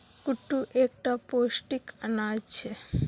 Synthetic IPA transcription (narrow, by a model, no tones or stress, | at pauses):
kuʈːuʔek̚ʈaposʈikanajt͡ɕʰe